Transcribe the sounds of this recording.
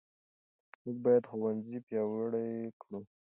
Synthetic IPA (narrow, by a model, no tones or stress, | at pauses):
muk̚bɑjad̪xowanzipjɑwɽajkɽu